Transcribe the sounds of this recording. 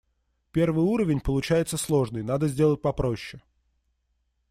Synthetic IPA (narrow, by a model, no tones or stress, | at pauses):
pʲe̞rvɨjuɾəvʲɪnʲpəlˠʊt͡ɕæjɪt̪səslˠo̞ʐnɨjnad̪əzʲdʲe̞lˠət̚ʲpɐpɾo̞ɕːɪ